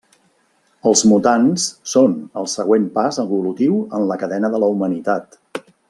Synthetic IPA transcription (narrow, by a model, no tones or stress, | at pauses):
əlˠzmut̪anssonəlˠsəɣ̞wempazəβulut̪iwənləkəðɛnəðələumənit̪at̪